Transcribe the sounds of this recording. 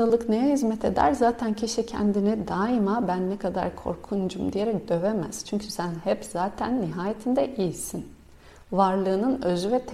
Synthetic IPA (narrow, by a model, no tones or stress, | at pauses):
alˠɯknejɛhizmɛt̪ʰe̞d̪æ̰ɾzaːt̪ʰæncʰiʃicʰɛ̰nd̪inid̪aːimabænːekʰad̪a̰ɾkʰo̞̰ɾkʰund͡ʒumd̪ije̞ɾɛc̚d̪̥ø̞vemæ̰z̥t͡ʃʰyɲcʰysænhɛpz̥aːt̪ʰænːiɦaːjet̪ʰind̪ɛʔisin | vaɾlˠɯːnɯnøzyvɛt̪ʰ